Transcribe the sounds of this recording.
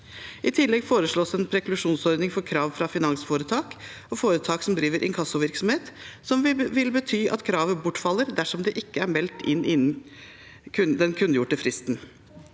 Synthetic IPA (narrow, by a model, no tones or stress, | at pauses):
ʔɪt̪ʰɪlːɛɡfoːɾəʂɭoːsɛnpʰɾɛklʉʂuːnsɔɾd̪nɪŋfɔɾkʰɾɑːʋfɾɑfɪnɑŋsfoːɾət̪ʰɑːk | ɔfoːɾət̪ʰɑːksɔmd̪ɾiːʋəɾʔɪ̰nŋkʰɑsːʊʋɪɾksɔmheːt̪sɔmʋɪlbət̪ʰyːʔɑ̰t̪kʰɾɑːʋəbʊʈːfɑlːəɾd̪æʂɔmd̪ɛʔɪkːəæɾmɛlt̪ɪnːʔɪnn | kʰʉd̪ɛnkʰʉnːəjʊʈːəfɾɪst̪n